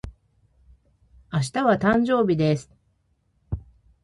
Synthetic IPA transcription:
aɕ̬i̥t̪aβat̪ãɲ̟d͡ʑo̞ːbʲid̪e̞sɨ̥

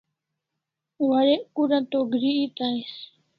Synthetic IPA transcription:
waɽeːʔkuːɾãːt̪oːɡʱɾiːiːt̪aːeːs

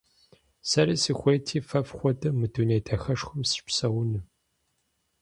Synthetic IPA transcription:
sɐɾisixʷejtʰiːfɐfxʷɔtʼɨmɨduneːtʰɐxɐʂxʷʊmsɨ̥pʷsɐwʊnɨ

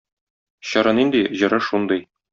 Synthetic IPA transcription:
ɕɒɾɑnind̪iʑɤ̆ɾɤʃund̪ɤj

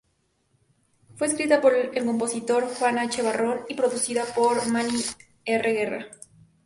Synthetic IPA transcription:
fwe̞ːskɾit̪apo̞ɾelko̞mpo̞sit̪o̞ɾxwanat͡ʃe̞βaro̞nipɾo̞ðusiðapo̞ɾmãni | ereɣe̞ra̰

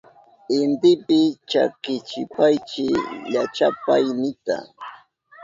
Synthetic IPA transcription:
ɪnt̪ɪpɪt͡ʃa̰kɪt͡ʃɪpajt͡ʃɪʎat͡ʃapajnɪt̪a̰

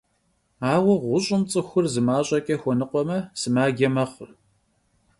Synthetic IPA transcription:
aːwɐʁʷʊɕʼɪmt͡sʼɨxʷʊrzɨmaːɕʼɐkʼɐxʷɔnɨqʷɔmɐsɨmaːɡʲɐmɐχʷʊr

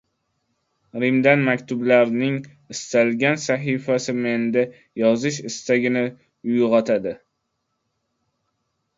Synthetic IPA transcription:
ɾɪmd̪anmakʲt̪ʰʊblaɾnɪŋ | ɪst̪alɡʲansaɦifasɪme̞nd̪ɪ | jɒzɪʃɪst̪aɡʲɪnɪ | ʊjʁɒt̪ʰad̪ɪ

